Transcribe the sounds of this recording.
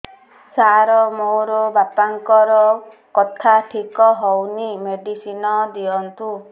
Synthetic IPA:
saɾɔmoɾɔbapaŋkɔɾɔ | kɔt̪ʰaʈʰikɔɦɔwnimeɖisinɔd̪iɔnt̪u

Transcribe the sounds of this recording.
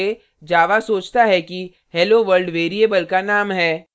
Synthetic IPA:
e | d͡ʒaːʋasoːt͡ʃt̪aɦɛki | hɛloʋəɾlɖʋeːɾiebəlkanaːmɦɛː

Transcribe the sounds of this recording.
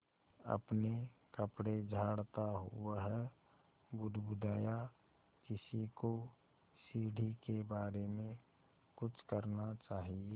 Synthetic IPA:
ə̰pnekəpɽed͡ʒʱaːɽt̪aɦuɦɛ | ɡʊd̪bʊd̪ʱaːja | kɪsiko | siːɽʱikebaːɾemẽ | kʊt͡ʃʰkəɾnat͡ʃaːɦie

